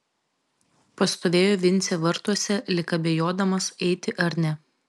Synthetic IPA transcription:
pɐst̪oːʋʲeːjoːʋʲɪnʲt̪sʲeʋɐɾt̪uɔsʲɛlʲɪkɐbʲejoːd̪ɐmɐsɛɪt̪ʲɪʔɐɾʲnʲɛ

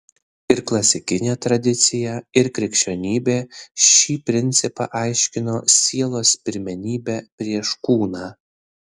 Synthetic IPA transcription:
ɪɾklˠɐsʲɪkʲɪnʲeːt̪ɾɐd̪ʲɪt̪sʲɪjɛɪɾkɾʲɪkʃʲt͡ʃʲonʲiːbʲeːʃʲiːpʲɾʲɪnʲt̪sʲɪpɑ̰ʔɐɪʃʲkʲɪnoːsʲiɛlˠoːspʲɪɾʲmʲɛnʲiːbʲæpʲɾʲiɛʃkuːnɑː

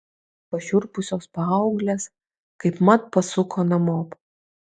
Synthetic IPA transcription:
pɐʃʲʊɾpʊsʲoːspɐɐʊɡlʲes | kɐɪpmɐt̪̚pɐsʊkʰoːnɐmoːp

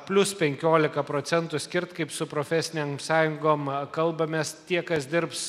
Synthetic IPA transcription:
pʲlʲʊspʲɛŋʲkʲoːlʲɪkɐpɾoːt̪ʲɛnt̪ʊsʲkʲɪɾt̪kɐɪpsʊpɾoːfʲɛsʲɪnʲeːmsɑːjʊŋɡoːmkɐlˠbɐmʲest̪ʲiɛkɐsd̪ʲɪɾps

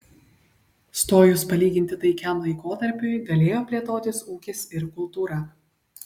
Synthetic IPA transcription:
st̪oːjʊspɐlʲiːɡʲɪnʲt̪ʲɪt̪ɐɪkʲɛˑmlˠɐɪkoːt̪ɐɾʲpʲʊɪɡɐlʲeːjoːpʲlʲeːt̪oːt̪ʲɪsuːkʲɪsɪɾkʊlˠt̪uːɾɑː

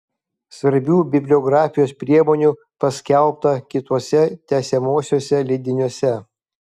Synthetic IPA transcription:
sʋɐɾʲbʲuːbʲɪbʲlʲɔːɡɾɑːfʲɪjoːspʲɾʲiɛmoːnʲuːˑ | pɐsʲkʲɛlˠˑp̚t̪ɐkʲɪt̪uɔsʲɛt̪ʲɛsʲɛmoːsʲoːsʲɛlʲɪd̪ʲɪnʲuɔsʲɛ

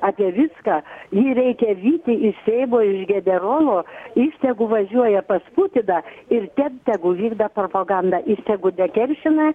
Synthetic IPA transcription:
ɑːpʲiɛʋʲɪskɑːjiːɾʲɛɪkʲɛʋʲiːt̪ʲɪɪʃsʲeɪboːɪʒɡʲɛnʲɛroːlˠoːiːsʲt̪ʲɛɡʊʋɐʒʲuɔjɛpɐspuːt̪ʲɪd̪ɑɪrt̪ʲɛnt̪ʲɛɡʊʋʲiːɡd̪ɐpɾoːpɐɡɑnd̪ɐʔiːsʲt̪ʲɛɡʊd̪ʲɛkʲɛrʲʃʲɪnɐ

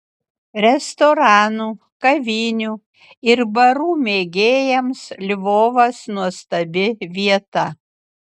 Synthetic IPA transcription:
ɾʲɛst̪oɾɑːnuː | kɐʋʲiːnʲuː | ɪɾbɐɾuːmʲeːɡʲeːjɛmslʲɪʋoːʋɐsnuɔst̪ɐbʲɪʋʲiɛt̪ɐ

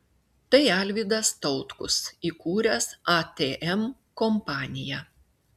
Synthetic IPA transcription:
t̪ɐɪæˑlʲʋʲiːd̪ɐst̪ɒʊt̪kʊsiːkuːɾʲɛsɑt̪ʲeːʔɛm | kɔmpɑːnʲɪjæ

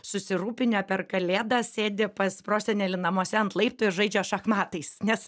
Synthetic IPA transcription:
sʊsʲɪɾuːpʲɪnʲoːpʲɛrkɐlʲeːd̪ɑsʲeːd̪ʲɪpɐsʲpɾoːsʲɛnʲeːlʲɪnɐmoɔsʲɛɐnt̪lˠɐɪp̚t̪ʊɪɾʒɐɪd͡ʒʲoːʃɐxmɑːt̪ɐɪsnʲɛs

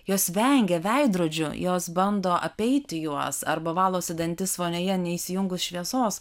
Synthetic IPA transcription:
joːsʋʲɛŋʲɡʲɛʋʲɛɪd̪ɾuːd͡ʒʲʊjoːsbɐnd̪oːʔɐpʲɛɪt̪ʲɪjuɔsɐ̰ɾbɐʋɑːlˠoːsʲɪd̪ɐnʲt̪ʲɪsʋoːnʲoːjɛnʲɛisʲɪjʊŋɡʊsʃʲʋʲiɛsoːs

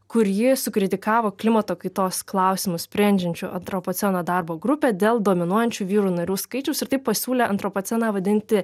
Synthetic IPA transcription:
kʊɾjɪsʊkɾʲɪt̪ʲɪkɑːʋoːklʲɪmɐt̪oːkɐɪt̪oːsklˠɐʊsʲɪmʊssʲpʲɾʲɛnʲd͡ʒʲɛnʲt͡ʃʲʊ̰ʔɐnt̪ɾoːpoːt̪sʲɛnoːd̪ɐɾboːɡɾʊpʲeːd̪ʲeːlˠd̪oːmʲɪnuɔjɛnʲt͡ʃʲuːʋʲiːɾuːnɐɾʲuːskɐɪt͡ʃʲɛʊsɪɾt̪ɐɪp̚pɐsʲuːlʲɛʔɐ̰nt̪ɾoːpoːt̪sʲɛnɑːʋɐd̪ʲɪnʲt̪ʲɪ

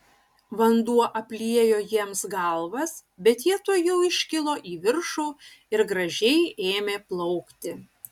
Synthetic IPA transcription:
ʋɐnd̪uɔʔɐpʲlʲiɛjoːjiɛmsɡɐlˠʋɐsbʲɛt̪jiɛt̪oːjɛʊɪʃʲkʲɪlˠoːʔiːʋʲɪɾʃuː | ɪɾɡɾɐʒʲɛɪeːmʲeːplˠɔʊkt̪ʲɪ

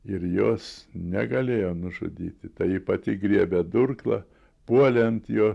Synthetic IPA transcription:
ɪɾjoːsnʲɛɡɐlʲeːjoːnʊʒʊ̰d̪ʲḭːt̪ʲɪt̪ɐɪipɐt̪ʲɪɡɾʲiɛbʲɛd̪ʊrklˠɐ̰ | puɔlʲɛnt̪joː

